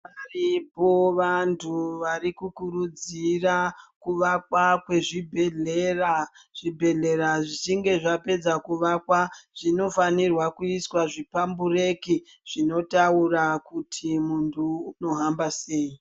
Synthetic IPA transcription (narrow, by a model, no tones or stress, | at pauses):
aripo̞ʋantʰuʋaɾikukuɾud͡zirakuʋakwakwe̞ʐibʱeɮeraʐ̥ibʱe̞ɮe̞ɾaʐit͡ʃiŋɡe̞ʐape̞d͡zakuʋakwaʐ̥ino̞fanirwakuiswaʐipambure̞ki | ʐ̥ino̞taurakutʰimuntʰuːno̞ɦambase̞ːi